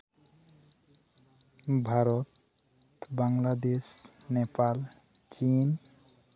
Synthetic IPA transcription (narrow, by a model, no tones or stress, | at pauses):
bʱaɾot̪ | baŋlad̪es | nepal | t͡ɕin